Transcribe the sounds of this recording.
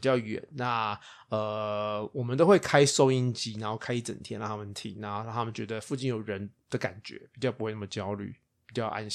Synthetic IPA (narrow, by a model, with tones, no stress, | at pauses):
i˨˩t͡ɕjɑ˥˩ʊɥɛ̰˨˩˦nna˥˩ | ə˧˩wɔ˨˩mə˦nt̪o˥ʊwe˥˩ɪkʰa˥ɪso˥ʊi˦˥nt͡ɕi˧˥na˧˥nxo˥˩ʊkʰa˥ɪi˦˥t͡sə̰˨˩nt̪ʰjɛ˥na˥˩a˥mə˨nt̪ʰḭ˧˩ŋna˥˧˥t̪ʰa˥mə˨nt͡ɕɥɛ˧˦d̪ə˧fu˥˧t͡ɕi˥˩njo˨˩ʊɻə˧˦nd̪̥ə˨ka̰˨˩nt͡ɕɥɛ̰˧˦pi˨˩t͡ɕjɑ˥ʊpu˦xwe˥˧na˥˩mə˩t͡ɕjɑ˥ʊly̰˥˩ | pi˨˩t͡ɕjɑ˥˩ʊʔa̰˦n